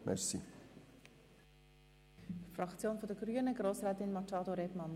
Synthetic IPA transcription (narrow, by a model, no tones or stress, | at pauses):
mɛ̰ɾsḭ | frɑkt͡sjoːnfɔndɛɡɾyːənəɡɾoːsrɛːtɪnmɑtɑːdoɾɛbmɑn